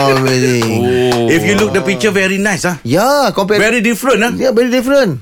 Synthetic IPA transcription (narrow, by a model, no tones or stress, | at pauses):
ɔɹɛdĩŋifjuluk̚dəpik̚t͡ʃəvɛɹinajsajakɔ̃mp̬ɛvɛɹidifɹə̃najavɛɹidifɾə̃n